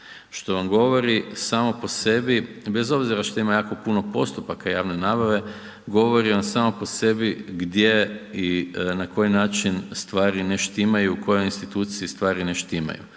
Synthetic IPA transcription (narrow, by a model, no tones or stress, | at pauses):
ʃt̪o̞ʋamɡo̞ʋo̞ɾisaːmopo̞se̞bibe̞zo̞bziɾaʃt̪oimajaːko̞puno̞po̞̰st̪upakajaːʋne̞naːbaʋe̞ | ɡo̞ʋo̞ɾiʋamsaːmopo̞se̞biɡd̪jeinako̞jinaːt͡ʃinst̪ʋaːɾineʃt̪imajuuko̞jojinst̪it̪uːt̪siist̪ʋaːɾineʃt̪ima̰jṵ